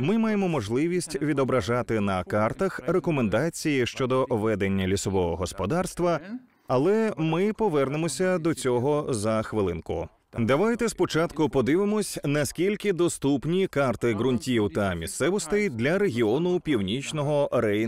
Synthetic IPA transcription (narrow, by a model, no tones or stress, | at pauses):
mɪmajemɔmɔʒlˠɪʋʲisʲtʲʋʲid̪ɔbɾɐʒat̪ɪnɐkart̪ɐxrekɔmend̪at͡sʲijiʃt͡ʃɔd̪ɔʋɛd̪e̞nʲːɐlʲisɔʋɔɦɔɦɔspɔd̪arst̪ʋɐ | ɐlˠɛmɪpɔʋɛrnemɔsʲɐd̪ɔt͡sʲɔɦɔzɐxʋɪlˠɪnkʊ̰ | d̪ɐʋajt̪ɛspɔt͡ʃat̪kʊpɔd̪ɪʋɪmɔsʲnɐskʲilʲkɪd̪ɔst̪upnʲikart̪ɪɣɾʊnʲtʲiwt̪ɐmʲist̪sɛʋɔst̪ɪjd̪lʲɐɾeɦʲiɔnʊpʲiwnʲit͡ʃnɔɦɔɾɛj